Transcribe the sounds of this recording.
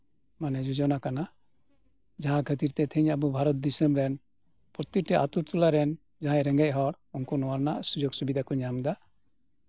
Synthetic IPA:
manɛd͡ʒud͡ʒɔnakana | d͡ʒaɦãkʰət̪iɾt̪ɛt̪ʰəɲəbubʱaɾɔt̪̚d̪isəmɾɛn | pɾɔt̪iʈɛʔat̪uɾt̪ulaɾɛn | d͡ʒãɦãɾɛŋɡɛc̚ɦɔɽ | uŋkunɔwaɾnaʔsud͡ʒoɡsubid̪akɔɲamd̪a

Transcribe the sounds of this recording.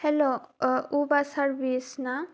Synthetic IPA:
hɛloubasaɹbisna

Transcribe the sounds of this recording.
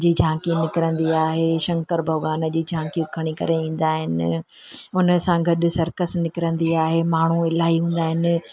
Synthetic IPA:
d͡ʑiːd͡ʑʱãːkinɪkɪɾə̃nd̪iaːɦeʃɐ̃ŋkəɾbʱɐʋaːnəd͡ʑiːd͡ʑʱãːkijũkʰɐɽ̃ikɐ̰ɾeĩːn̆d̪aːɦɪnɪ | ʊnə̆sãɡʱɐɗʊ̆sɐɾkəsnɪkɪɾə̃nd̪iaːɦemaːɳ̤uɪlaːɦiɦũːn̆d̪aːɦɪnɪ̆

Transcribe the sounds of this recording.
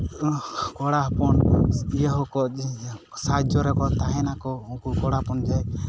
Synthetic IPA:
kɔɽapɔnijaɦɔkɔ | sad͡ʒɔɾɛkɔt̪aɦɛnakɔuŋkukɔɽapɔnd͡ʒaj

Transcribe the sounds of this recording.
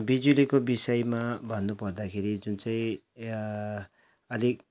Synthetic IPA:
bid͡zulikobisʌjmabʱʌnːupʌrd̪akʰeɾid͡zunt͡saj̃ | ʌlik

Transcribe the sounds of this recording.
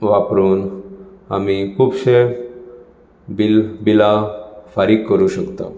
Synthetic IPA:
ʋapɾuːnamikʰuːbɕe | bilbilafaɾikːəɾuɕəkt̪ã̰

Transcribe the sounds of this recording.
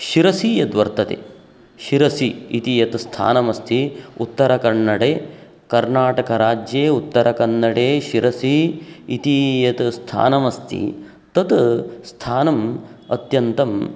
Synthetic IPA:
ʃiɾɐsiːjɐd̪ʋɐɾt̪ɐt̪ḛ | ʃiɾɐsiit̪ijɐt̪st̪ʰa̰ːnɐmɐst̪ʰiut̪ːɐɾɐkɐɳːɐɽeː | kɐɾnaːʈɐkɐɾaːd͡ʒjeːut̪ːɐɾɐkɐɳːɐɽeːʃiɾɐsiːt̪ijɐt̪st̪ʰa̰ːnɐmɐst̪ʰḭ | t̪ɐt̪st̪ʰaːnɐmɐ̰t̪jɐnt̪ɐm

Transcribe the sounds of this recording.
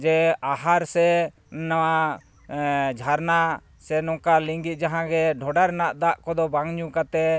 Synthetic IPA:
d͡ʒɛaɦaɾsɛ | nawa | d͡ʒʱaɾna | sɛnɔ̃kaliŋɡit̪̚d͡ʒaɦãɡɛɖʱɔɖaɾɛnaʔd̪aʔkɔd̪ɔbaŋɲukat̪ɛ

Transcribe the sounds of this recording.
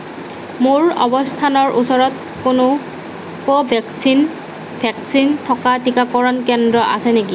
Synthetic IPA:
muɹɔ̰bɔstʰanɔɹʔusɔɹɔt̚ | kʊnʊ | pɔbʱɛksin | bʱɛksintʰɔkatikakɔɹɔnkɛndɹɔʔa̰sɛneki

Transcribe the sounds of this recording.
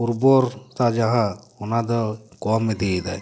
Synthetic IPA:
uɾbɔɾt̪ad͡ʒaɦa | ɔnad̪ɔkɔmed̪ed̪aj

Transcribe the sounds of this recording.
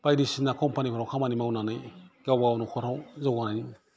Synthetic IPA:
b̥ajdisinakʰɔmpanikʰɔɾawkʰamanimawnanɯjɡawawnukʰɔɾawzɔwɡanaj

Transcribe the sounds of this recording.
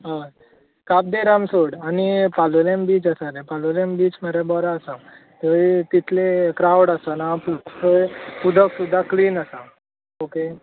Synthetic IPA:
ɦa | kap̚d̪eɾamsoɽanipalolembiːt͡səsaɾẽpalolembiːt͡ɕməɾebɔɾaəsa | t̪əit̪it̪ʰlekɾawɽəsanaputəpud̪ʱəksud̪ʱːakliːnəsa | oke

